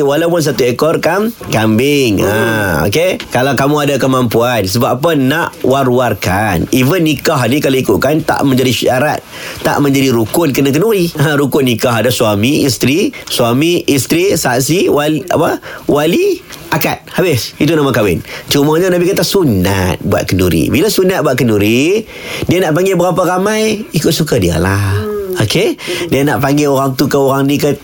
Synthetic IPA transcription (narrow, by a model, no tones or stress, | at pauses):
walawp̬ʊns̬at̪uekɔrkamkambɪŋao̰kekalawkamũadakəmampuansəbaʔap̬ənaʔwaɾuarkanivənːikaɦnikalaikuʔ̪̚kant̪a̰ʔmə̃ɲd͡ʒadiʃaɾa̰t̪̚ːa̰ʔmə̃ɲd͡ʒadiɾukʊnkənak̬ənuiaɾukʊnːikaɦadasuamiist̪ɾisuamiist̪ɾisaʔsiwala̰pəwali | aka̰t̪̚habɪsit̪unamakawɪnt͡ʃumaɲanabikat̪asuna̰t̪̚bua̰t̪̚kənuɾḭbilasunat̪̚buat̪̚kənuɾi | dianaʔpaŋɡɪbəɣapaɾamajikʊt̪sukadia̰lahokʰedianaʔpaŋɡeoɾaŋt̪ukəoɾaŋnikə